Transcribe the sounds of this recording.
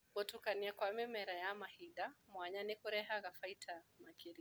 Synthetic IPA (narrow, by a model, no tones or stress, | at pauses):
bɔtukaniakwamɛmɛɾajamahidamwaɲanikuɾɛɦaɣafaitʰamakiɾi